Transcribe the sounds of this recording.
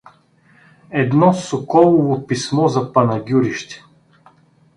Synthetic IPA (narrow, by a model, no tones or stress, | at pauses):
ɛd̪nɔsokɔlˠovopismɔzɐpɐnɐɡʲuɾiʃt̪ɛ̥